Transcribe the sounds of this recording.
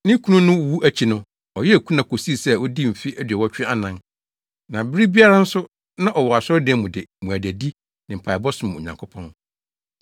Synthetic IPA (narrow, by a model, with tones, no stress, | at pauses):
nɪ̃˦kʰu˦nʊ̃˦nʊ̃˦˨wu˦ʔæ˦t͡ɕʰi˨nʊ̃˦ | ɔ˨jɛ˦˨kʰu˦nã˨kʰo˨si˦˨sɛ˦wɔ˦di˦m̩˨fɪ˦ʔæ˦dɥɛ˨wɔ˦t͡ɕᶣɪ˦a˦nã˨n | nã˨bɪ˦ɾi˦bi˦a˦ɾa˦n̩˦sʊ˦ | nã˦ʔɔ˨wɔ˨a˨sɔ˦ɾdɛ˦mʊ̃˨dɪ˨mũ˨æ˨dæ˨di˦ | nɪ̃˨m̩˨pʰa˨bɔ˦sʊ̃˦˨m˨ɔ̰˨ɲã˨ŋkʰʊ˦pʰɔ̃˦n